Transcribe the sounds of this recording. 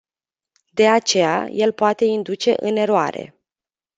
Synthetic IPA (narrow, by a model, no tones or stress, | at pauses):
d̪e̞at͡ʃe̞ja̰je̞lpoat̪e̞ind̪ut͡ʃe̞ʔɨne̞ɾoa̰ɾe̞̰